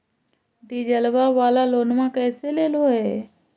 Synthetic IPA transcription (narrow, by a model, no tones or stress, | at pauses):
ɖiːd͡ʒəlʋaʋaːlaloːnmãkɛːseleːloɦɛː